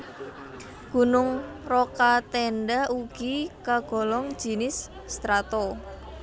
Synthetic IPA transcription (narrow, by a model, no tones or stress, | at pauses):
ɡ̥ṳnʊŋ | rokat̪ɛnɖauɡ̥ikaɡ̥ɔ̤lɔŋ̥d͡ʒ̥i̤nɪsː | t̪ɾat̪o